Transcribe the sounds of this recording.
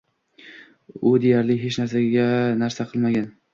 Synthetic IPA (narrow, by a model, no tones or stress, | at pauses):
ʊd̪e̞jaɾlɪɦet͡ʃnaɾsaɡʲanaɾsaqʰɨlˠmaɡʲan